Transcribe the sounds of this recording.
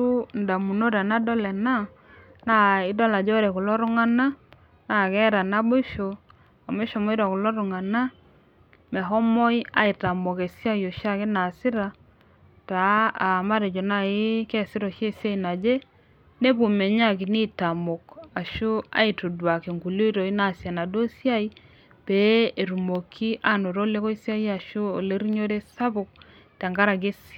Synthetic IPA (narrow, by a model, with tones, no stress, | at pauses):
u˦nda˨mu˨no˦ɾa˨na˦dɔ˦lɛ˨na˦ | na˦˨ɪ˦dɔ˦la˨d͡ʒɔ˦ɾɛ˨ku˨lɔ˦ɾʊ˦ŋa˦na˦ | na˨kɛ˦ɾa˨na˦bo˦ʃo˨ | a˨me˦ʃɔ˨mɔ˦i˦ɾa˨ku˨lɔ˦ɾu˨ŋa˨na˦ | mɛ˨ɦɔ˦mɔ˦ja̰˦i˨ta˨mo˨ke˨sja˦jo˨ʃa˦˨kɪ˦na˨sɪ˦ɾa˨ | ta˨˦a˨ma˦ɾe˨d͡ʒo˨na˦ɪ˦kɛ˦˨sɪ˦ɾɔ˨ʃe˦˨sja˦i˨na˨d͡ʒe˦ | ne˦βu˨mɛ˨ɲa˦˨ki˨ni˦ta˨mo˨ka˨ʃu˦a̰˦i˨tu˨dwa˨ke˨ŋɡu˨lo˦to˨i˦na˦˨sja˨na˨do˦sja˦i˦ | be˨˦e˨ɾu˨mo˨kʰi˦ʔa˦˨no˨ɾo˦le˦ko˦i˦sja˦i˦a˨ʃu˦o˨le˦ɾi˦ɲo˦ɾe˦sa˦βo˨k̚ | tɛ˨ŋɡa˦ɾa˨ɡe˦s